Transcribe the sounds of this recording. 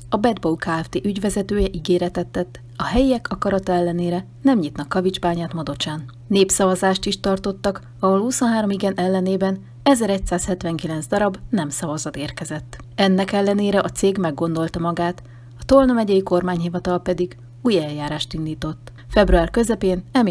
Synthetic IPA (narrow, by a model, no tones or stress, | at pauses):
ɒbɛd̪boukaːɛft̪eːʔyɟʋɛzɛt̪øːjɛʔiɡeːɾɛt̪ɛt̪ːɛt̪ː | ɒɦɛjiɛkʰɒkɒɾɒt̪ɒɛlːɛneːɾɛ | nɛmɲit̪nɒkːɒvid͡ʒbaːɲaːt̪mɒd̪o̞t͡ʃaːnː | eːpsɒvɒzaːʃt̪iʃt̪ɒrt̪o̞t̪ːɒk | ɒɦolhuso̞nɦaːɾo̞miɡɛnʔɛlːɛneːbɛn | ɛzɛɾɛc̚saːshɛt̪vɛŋkilɛnzd̪ɒɾɒbnɛmsɒvɒzɒt̪eːrkɛzɛt̪ːɛnːɛkɛlːɛneːɾɛʔɒt̪seːɡmɛɡːo̞nd̪o̞lt̪ɒmɒɡaːt̪ | ɒt̪olnomɛɟɛjiko̞rmaːɲɦivɒt̪ɒlpɛd̪iɡ | uːjɛljaːɾaːʃt̪inːiːt̪o̞t̪ː | fɛbruaːrkø̞zɛpeːnɛm